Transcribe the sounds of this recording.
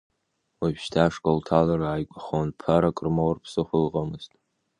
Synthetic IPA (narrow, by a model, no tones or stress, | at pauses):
wapʃtʰaʂkʼoltʰalaraːjkʷʼaχonpʰaɾakʼrmowrpʰsɨχʷʊlʁamɨztʼ